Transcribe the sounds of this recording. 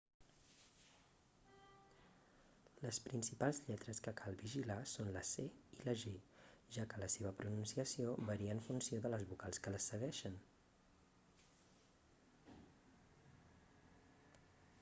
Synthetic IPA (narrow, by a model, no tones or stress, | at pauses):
ləspɾinsipalˠzʎɛt̪ɾəskəkʰalˠβiʒilasonləseiləʒeʒakələseβ̞əpɾununsiəsioβəɾiəːɱfunsioðələzβukalˠskələsəɣ̞ɛʃən